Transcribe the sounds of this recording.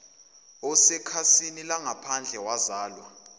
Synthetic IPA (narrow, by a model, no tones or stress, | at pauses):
ɔsɛkʰasinilaŋapʰand͡ɮʱɛwazaːlwa